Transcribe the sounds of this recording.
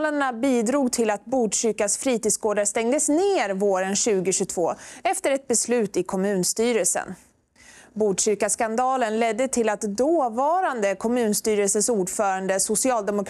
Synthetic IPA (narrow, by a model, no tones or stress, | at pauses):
laɳabiːd̪ɾuːɡt̪ʰɪlat̪buːdɕʏɾkasfɾiːt̪ɪːd̪sɡoːd̪ast̪ɛŋd̪əsneːɾvoːɾənɕʉ̟ːɡɪɕɵt̪ʰvo̰ːɛft̪əɾɛt̪̚bɛslʉ̟ːt̪ɪkʰɔmʉ̟ːnst̪yːɾəlsə̰n | buːɖɕʏɾkaskand̪ɑːlənlɛd̪ːət̪ʰɪlat̪d̪oːvɑːɾand̪əkʰɔmʉ̟ːnst̪yːɾəlsəsuːɖfœːɾaɳd̪əsʊsɪɑːld̪ɛmʊk